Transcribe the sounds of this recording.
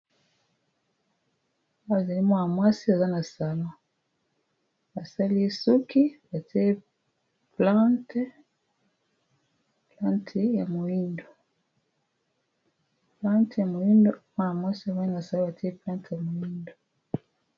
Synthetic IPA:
a˨za˨li˦mwa˦na˨mwa˦si˦a˨za˦na˨sa˨lɔ̃˦ | a˨sa˦li˦e˦su˦ki˦ba˨ti˦e˦ | plã˦t | plã˦ntʰe˨ja˨mo˨ji˦ndo˨ | plã˦ntja˨mo˨ji˦ndo˦mwa˦na˨mwa˦si˦a˨ma˦i˦na˨sa˨lo˦a˨ti˦e˦plã˦ntja˨mo˨ji˦ndo˨

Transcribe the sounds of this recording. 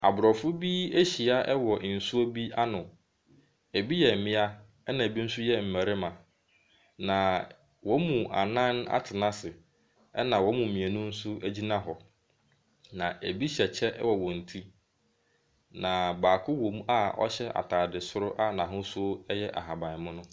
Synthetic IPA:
a̰˨bɾɔ˨fʊ˦bi˦e˦ɕi˨a˦ʔɛ˦wɔ˨n̩˨sʊ˦o˦bi˦a˦nʊ̃˨ | æ˨bi˦jɛ˨mɪ̃˦a˦ | ɛ˦nã˨e˨bi˦n̩˦sʊ˦jɛ˦m̩˨mæ˨ɾɪ˦mã˨ | nã˨ | wʔɔ̃˨˦mũ˨a̰˨nã˦na̰˦tʰɪ˨nã˦sɪ˨ | ɛ˦nã˨wɔ̃˦mũ˨mĩ˨æ˨nʊ̃˦n̩˦sʊ˦æ˦d͡ʑi˦nã˦ɦɔ˨ | nã˨æ˨bi˦ɕɛ˨t͡ɕʰɛ˦ʔɛ̰˦wɔ˨wɔ̃˨n̩˨tʰi˦ | nã˨baː˨kʰʊ˦wo˨m˦a˦ɔ̰˦ɕɛ˦a̰˨tʰaː˨dɪ˨sʊ˦ɾʊ˦ʔa˦nã˨ɦʊ̃˦sʊ˦jɛ˦ʔa̰˨ɦa˨bã˨mʊ̃˦nʊ̃˦

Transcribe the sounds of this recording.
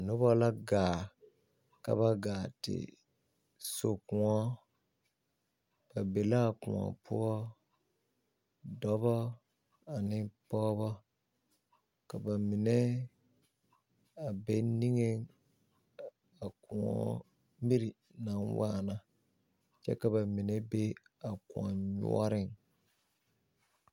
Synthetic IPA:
nʊ˦bɔ˦la˦ɡaː˨ | ka̰˦βa˦ɡaː˨tɪ̰˨ | so˨kũ˨ɔ˦ | b̥a˨be˨la˦˨kʊ̃˨ɔ̰˨pʰʊ̰˦ɔ˦ | dɔ˦bɔ˦ | a˨nɪ˦pɔː˦bɔ˦ | ka˨ba˨mi˨nɛ˦ | a˨be˦ni˦ŋe˦ | a˨ku˨ɔ̰˦ | mi˦ɾi˨ | na˨˦nwa˦˨na˨ | t͡ʃɛ̰˦ka˨ba˨mi˨nɛ˦be˦ | a˨kʊ̃˨ɔ˨ɲṵ˦ɔ˦ɾɪ˨ŋ

